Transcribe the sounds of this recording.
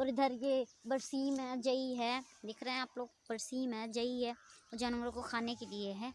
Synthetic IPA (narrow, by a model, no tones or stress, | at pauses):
ɔːɾɪd̪ʱəɾjebəɾsiːmɛ̃d͡ʒɐiɦɛd̪eːkʰɾɐɦɛ̃aːploːɡbəɾsiːmɛ̃d͡ʒɐiɦɛːod͡ʒaːnõːɡɾõkokʰaːnekelieɦɛː